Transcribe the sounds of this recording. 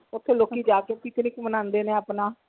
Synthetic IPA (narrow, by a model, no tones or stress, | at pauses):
ʊt̪ʰːeːloːkːiːd͡ʒaːkeːpɪt̪nɪkmənãːnd̪eːneːapnãː